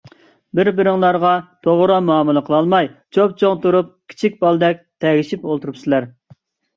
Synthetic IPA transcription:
bɪɾbɪɾɪŋlˠɑɾʁɑt̪ʰoʁʊɾɑmɑːmɨlˠəqʰəlˠɑlˠmɑjt͡ʃʰop̚t͡ʃʰoŋt̪uɾup̚kʲʰi̥t͡ʃʰik̚ʲbɑlˠd̪ɛk̚ʲt̪ʰɛɡʲiʃipolˠt̪uɾupsɨlæɾ

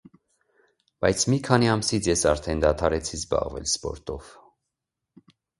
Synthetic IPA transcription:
b̥ɑjt͡sʰmikʰɑniɑmsit͡sʰjɛsɑɾt̪ʰɛnd̪ɑt̪ʰɑɾɛt͡sʰizbɑ̰ʁvɛ̰lspɔ̰ɾt̪ɔv̥

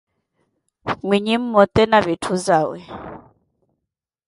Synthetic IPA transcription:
mwiɲim̩mɔt̪ɛnaβetʰuzaːwɛ̰

